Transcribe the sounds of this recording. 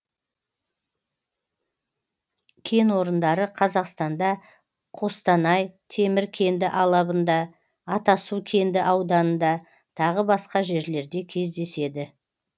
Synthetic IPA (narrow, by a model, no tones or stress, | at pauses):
kʲʰe̞nwo̞ɾənd̪ɑɾəqʰɑzɑqst̪ɑnd̪ɑ | qʰo̞st̪ɑnɑjt̪ʰe̞mɪɾkʲʰe̞nd̪ɪʔɑlˠɑbənd̪ɑ | ɑt̪ɑsukʲʰe̞nd̪ɪʔɑwd̪ɑnənd̪ɑ | t̪ʰɑʁəbɑsqɑʒe̞ɾle̞ɾd̪e̞kʲʰe̞zd̪e̞se̞d̪ɪ